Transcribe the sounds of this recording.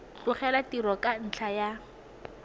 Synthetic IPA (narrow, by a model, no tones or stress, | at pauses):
t͡ɬʊχɛlatiɾɔkan̩t͡ɬʰaja